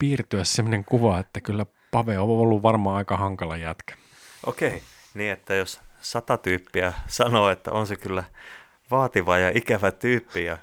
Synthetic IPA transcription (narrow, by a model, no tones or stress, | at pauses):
piːrt̪yæssemːŏneŋkuʋɑet̪ːækylːæ | pɑʋeoolːuʋʋɑrmɑːɑikɑhɑŋkɑlɑjæt̪kæ̥ | ʔo̰kei | niːet̪ːæjossɑt̪ɑt̪yːpːiæsɑnoːet̪ːæ̰onsekylːæ | ʋɑːt̪iʋɑjɑʔikæʋæt̪yːpːijɑ